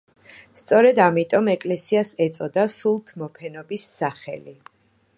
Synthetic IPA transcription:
st̪sʼɔɾɛd̪amit̪ʼɔmɛkʼlɛsiasɛt̪sʼɔd̪asulˠt̪ʰmɔpʰɛnɔbisːaχɛ̰li

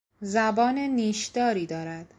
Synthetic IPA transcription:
zæbɒːneniːʃd̪̥ɒːɾiːd̪ɒːɾæd̪̥

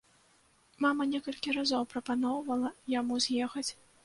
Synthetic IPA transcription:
mamɐnʲɛkɐlʲkʲiɾazɔwpɾɐpanɔwvɐlˠɐjamuzʲjɛxɐt͡sʲ

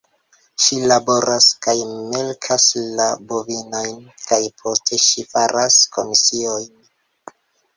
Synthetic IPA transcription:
ʃilabo̞ɾʔaskajme̞lkʰaslabovinojnkajpʰo̞stʰe̞ʃifaɾʔasko̞misio̞jn

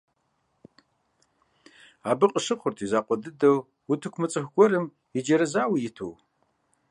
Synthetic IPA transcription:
aːbɨqʼəʂɨχʷʊrtʰizaːqʷʼɔdɨdɐw | wutʰɨkʷmɨt͡sʼɨxʷɡʷɔrɨm | ɪd͡ʒɐɾɐzaːwijɪtʰo̰w

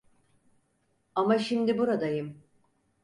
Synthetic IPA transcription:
amaʃimd̪ibuɾad̪ajɯm

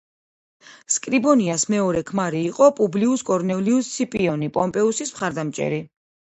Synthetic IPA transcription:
skʼɾibɔniasmɛɔɾɛkʰmaɾiːqʼɔpʼubliuskʼɔɾnɛliust̪sʰipʼiɔnipʼɔmpʼɛusismχaɾd̪amt͡ʃʼɛ̰ɾi

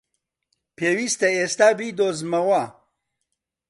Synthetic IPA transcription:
pʰeːwist̪eest̪aːbid̪oːzmɐwa

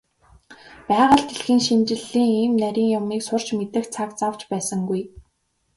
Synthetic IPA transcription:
pæːʁə̆ɬt̪eɮxiːŋʃint͡ɕɪ̆ɮːiːŋiːmnæɾʲiːŋjʊmiːksʊr̥t͡ɕmet̪ɘ̆xt͡sʰakt͡saw̥t͡ɕpæːsə̆ŋɡuj

